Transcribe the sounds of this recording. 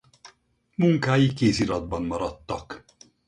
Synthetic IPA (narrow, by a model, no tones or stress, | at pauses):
muŋkaːjikeːziɾɒd̪̚bɒnmɒɾɒt̪ːɒk